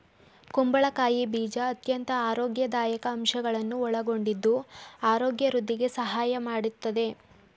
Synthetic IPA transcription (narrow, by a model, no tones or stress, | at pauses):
kumbɐɭɐkaːjibiːd͡ʒɐːt̪jɐnt̪ɐaːɾoːɡjɐd̪aːjɐkɐːmʃɐɡɐɭɐnːuɔɭɐɡo̞ɳɖid̪ːuaːɾoːɡjɐɾud̪ːiɡe̞sɐɦaːjɐmaːɽut̪ːɐd̪e̞